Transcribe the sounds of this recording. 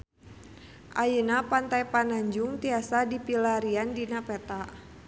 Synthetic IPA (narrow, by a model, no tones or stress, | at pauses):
ʔajənapant̪ajpanaɲd͡ʒuŋt̪iasadipilaɾiandinapɛt̪aʔ